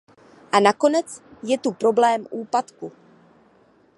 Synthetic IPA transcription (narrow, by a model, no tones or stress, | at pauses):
ʔanako̞nɛt͡sjɛt̪upɾo̞blɛːmʔuːpat̪ku